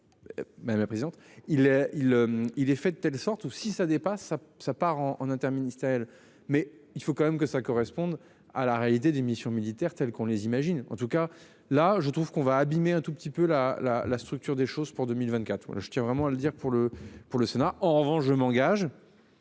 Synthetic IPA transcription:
mad̪amlapχezid̪ɑ̃t̪ilɛilømilɛfɛd̪ət̪ɛlsɔʁt̪usisad̪epasːasapaʁɑ̃ɑ̰̃nɛ̃t̪ɛʁminist̪eʁjɛl | mɛ | ilfokɑ̃mɛmkəsakɔʁɛspɔ̃d̪ | a̰laʁealit̪ed̪emisjɔ̃milit̪ɛʁt̪ɛlkɔ̃lezimaʒinɑ̰̃t̪uka | laʒət̪χuv̥kɔ̃vaːbimeɛ̃t̪upət̪ipølala̰last̪χyk̚t̪yʁd̪eʃozpuʁd̪ømilvɛ̃t̪̚kat̪χa̰ʒət̪jɛ̃vʁɛmɑ̃aləd̪iʁpuʁləpuʁləsenaɑ̃ʁəvɑ̃ʃʒəmɑ̃ɡaʒ

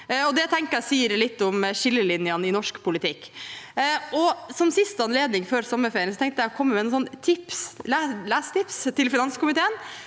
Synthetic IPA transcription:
ɔd̪ɛt̪ʰɛŋkəɾæsiːəɾlɪt̪ːɔmʃɪlːəlɪnjɑnɪnɔʂkpʰʊlɪt̪ʰɪkː | ɔsɔmsɪst̪əɑnleːd̪nɪŋføːɾsɔmːəfeːɾənsɔt̪ʰɛŋt̪jæɪɔkʰɔmːəmɛnʊːnsɔnːt̪ʰɪpslælæːst̪ɪpst̪ʰɪlfɪnɑnskʊmɪt̪ʰeːən

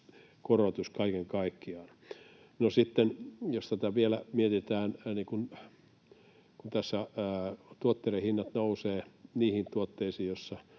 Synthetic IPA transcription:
korot̪uskɑikeŋkɑikːiɑːn | nosit̪ːenjost̪æt̪æʋielæmiet̪it̪æːnniːkun | kunt̪æsːæː | t̪uot̪ːerehinːɑt̪nouseːniːhint̪uot̪ːeisiːjosːɑ

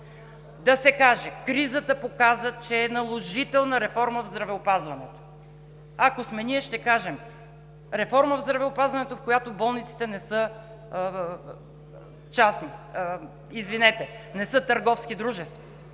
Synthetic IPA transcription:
d̪ɐsɛkaʒɛkɾizət̪əpokazət͡ʃɛːnɐlˠoʒit̪ɛlˠnəɾɛfɔɾməvzd̪ɾɐvɛopazvɐnɛt̪o̥ | akosmɛniɛʃt̪ɛkaʒɛm | ɾɛfɔɾməvzd̪ɾɐvɛopazvɐnɛt̪ofkojat̪obɔlˠnit̪si̥t̪ɛnɛsɤ | t͡ʃasni | izvinɛt̪ɛnɛsɤt̪əɾɡɔfsk̟id̪ɾuʒɛst̪vɐ̥

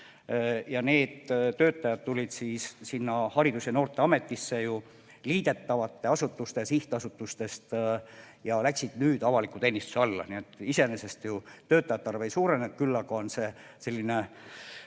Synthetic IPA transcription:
jɑne̞ːd̪̥t̪ːø̞ːt̪ːˑɑjɑd̪̚t̪ːulʲid̪̥siːssinːɑhɑɾid̪useno̞ːrt̪ˑe̞ɑme̞t̪ːˑisːe̞ju | liːd̪̥e̞t̪ːɑvɑt̪ːe̞ɑsut̪ːˑust̪e̞siht̪ɑsut̪ːˑust̪e̞st̪ | jɑlæksid̪̥nyːd̪̥ɑvɑlikːˑut̪eːnist̪useɑlːɑ̰nie̞t̪ːˑise̞ne̞se̞st̪jut̪ø̞ːt̪ːˑɑjɑt̪ːɑrve̞jsuːɾe̞net̪̚kylːɑɡ̥ɑonse̞ | se̞lʲːine̞

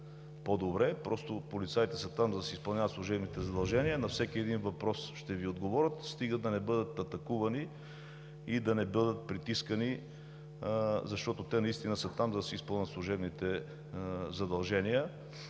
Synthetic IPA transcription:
pod̪obɾɛpɾɔst̪opolit̪sajit̪ɛsət̪amzɐd̪ɐsɛispɐlˠnʲavət̪slˠʊʒɛbnit̪ɛzɐd̪ɐlˠʒɛnijənɐfsɛkiɛd̪invɐpɾɔsʃt̪ɛviod̪ɡovɔɾʲət̪st̪iɡəd̪̚d̪ɐnɛbɤd̪ət̪ɐt̪ɐkuvɐni | id̪ɐnɛbɤd̪ət̪̚pɾit̪iskəni | zɐʃt̪ɔt̪ot̪ɛnɐist̪inəsət̪amzɐd̪ɐsispɤəlˠnʲət̪slˠʊʒɛbnit̪ɛ | zɐd̪ɐlˠʒɛnijə

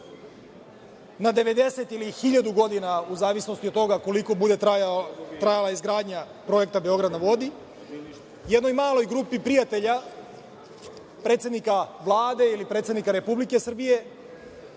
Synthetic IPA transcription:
nad̪e̞ʋe̞d̪e̞se̞t̪ilixiʎad̪uɡo̞d̪inauzaːʋisno̞st̪iot̪t̪ːo̞ɡako̞liko̞bud̪e̞ | t̪ɾajalaizɡɾaːd̪ɲa | pɾo̞je̞kt̪abe̞o̞ɡɾad̪naʋo̞d̪i | jed̪no̞jmaːlˠo̞jɡɾuːpipɾijat̪e̞ʎa | pɾet̪sʲed̪nikaʋlˠaːd̪e̞ilipɾet̪enikaɾe̞publike̞sr̩bije̞

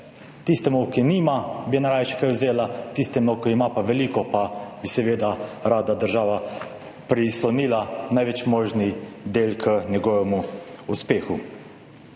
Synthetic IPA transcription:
t̪ist̪ɛmukiniːmabijɛnaɾaːjʃɛ̥kajwzeːlat̪ist̪ɛmɔkiimapaʋɛliːkɔpabisɛʋeːd̪aɾaːd̪ad̪əɾʒaːʋa | pɾislɔniːlanajʋɛt͡ʃmoːʒnid̪eːlkʰənɛɡɔːʋɛmuuspeːxu

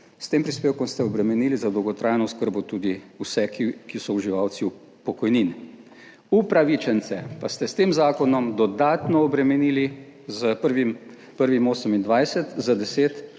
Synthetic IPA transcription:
st̪eːmpɾispeːwkɔmst̪ɛɔbɾɛmɛniːlizad̪ɔwɡɔt̪ɾʔaːjnɔskəɾbɔt̪uːd̪iusɛkikisɔuʒiʋawsiu | pɔkɔjnin | upɾaʋit͡ʃɛnt̪sɛpast̪ɛst̪eːmzaːkɔnɔmd̪ɔd̪aːt̪nɔːbɾɛmɛnili | zəpəɾʋim | pəɾʋimoːsəmind̪ʋajsɛt̪zad̪ɛseːt̪

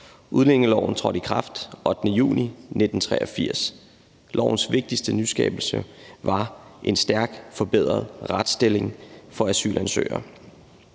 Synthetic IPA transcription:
uð̞ˠlen̰eŋəlɒʊn̩t͡sʰʁɒ̽ɾ̥ikʰʁɑ̈fd̥ʔɒ̽d̥nəjṵːnine̝d̥n̩t͡sʰʁɛːɐɒfiɐ̰s | lʔɒʊ̰n̩sʋe̝ɡ̥̚d̥isd̥ənysɡ̥ɛ̰ːb̥l̩səʋɑ̈ʔe̝nsd̥æɐɡ̥fɒ̽b̥eð̰ˠʁɐðˠʁad̥sd̥e̝le̝ŋfɒ̽æsy̰ːlʔænsø̰ːɐ

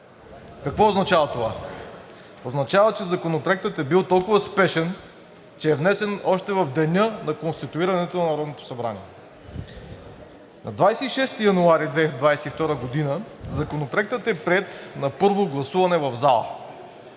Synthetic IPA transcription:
kɐkvɔoznɐt͡ʃavɐt̪ova̰ | oznɐt͡ʃavət͡ʃɛzɐkonopɾoɛk̚t̪ət̪ɛbilˠt̪ɔlˠkʊvəspɛʃɛn | t͡ʃɛːvnɛsɛnɔʃt̪ɛvɐvd̪ɛnʲɤnɐkonst̪it̪uiɾɐnɛt̪onɐnɐɾɔd̪not̪o̥sɐbɾa̰nḭɛ | nɐ̰d̪vajsɛiʃɛst̪ijɐnuaɾid̪vɛd̪vajsɛift̪ɔɾəɡod̪inəzɐkonopɾoɛk̚t̪ət̪ɛpɾɛt̪nɐpɤɾvoɡlˠɐsuvɐnɛvɐvzalˠə̰

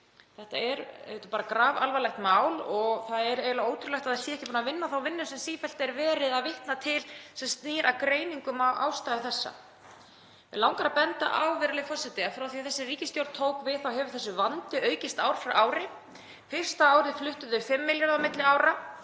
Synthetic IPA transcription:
θɛht̪aɛɾet̪ʏ̥paːɾakɾaːvalvalɛht̪maːwlɔɣθaðɛɾeːɪlaoːwt̪ʰɾʏlɛht̪aðɛsiɛhcɪpunavɪnːaθawvɪnːʏsɛmsiːfɛl̥t̪ɛɾvɛːɾɪðaðvɪht̪nat̪ʰɪlsɛmst̪niːɾʔakɾeːjniŋkʏmawʔa̰ːwst̪ajðɪθɛsːa̰ | vɪlawŋkaɾapɛnt̪a̰ʔawvɪɾlɪfɔrsɛt̪ɪɛnfɾawθiaθɛsːɪriːcɪst̪jowɾt̪ʰːoːwkvɪðθawɦɛvʏθɛsːʏvant̪ʏʔœːɥcɪst̪aːwɾ̥fɾaʔaːwɾɪ | fɪr̥st̪aaːwɾɪflʏht̪ʏðʏfɪmːɪljaɾðawmɪt̪lɪaːwɾa

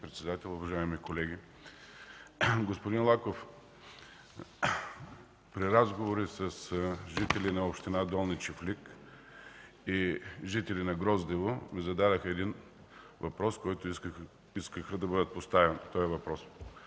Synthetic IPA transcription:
pɾɛt̪sɛd̪at̪ɛlˠʊvɐʒaɛmikolɛɡʲi | ɡospʊd̪inlˠakof | pɾiɾazɡovoɾisəsʒit̪ɛlinɐopʃt̪inad̪ɔlˠnit͡ʃɛflik | iʒit̪ɛlinɐɡɾɔzd̪ɛvomizɐd̪ad̪əxəɛd̪in | vɐpɾɔskɔjt̪ʊ | iskəxəd̪ɐbəd̪ət̪̚post̪avɛnt̪ɔɛvɐpɾɔs

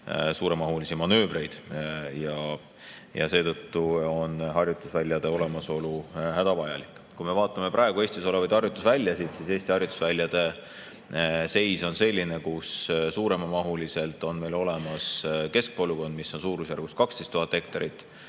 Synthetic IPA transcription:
suːɾe̞mɑɦulisimɑnø̞ːvre̞jd̪̥jɑ | jɑ̰se̞ːt̪ɤ̞t̪ːuo̞nɦɑrjut̪ːˑusvælʲːjɑd̪̥e̞o̞le̞mɑso̞luhæd̪̥ɑvɑjɑ̰likːˑ | kume̞vɑːt̪ːˑɑme̞prʔɑe̞ɡ̥ue̞ːst̪iso̞le̞vɑjd̪̥ɑrjut̪ːˑusvælʲːjɑsid̪̥sise̞ːsʲt̪iɑrjut̪ːˑu̥svælʲːjɑd̪̥e̞ | se̞jso̞nse̞lʲːinekussuːɾe̞mɑmɑɦulise̞lt̪ːˑo̞nme̞jlo̞le̞mɑske̞sk̚po̞lːuko̞nd̪̥misːo̞nsuːɾusjærɡ̥ust̪kɑkst̪e̞jst̪uhɑt̪ːˑe̞kt̪ɑɾit̪ːˑ

